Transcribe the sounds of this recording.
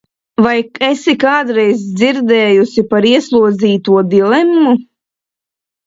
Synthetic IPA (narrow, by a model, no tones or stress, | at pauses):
vajesikaːd̪ɾɛjzd̪ziɾd̪ɛːjusipaɾiɛslˠuɔd̪ziːt̪uɔd̪ilˠɛmumu